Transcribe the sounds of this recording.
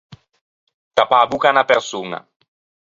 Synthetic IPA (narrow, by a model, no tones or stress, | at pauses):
t̪apaːbukanapersuːna̰